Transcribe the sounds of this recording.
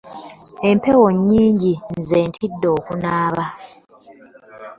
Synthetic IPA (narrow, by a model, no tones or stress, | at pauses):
e̞mpewoɲːiːɲɟinzeːntʰidːo̞ːkunaːβa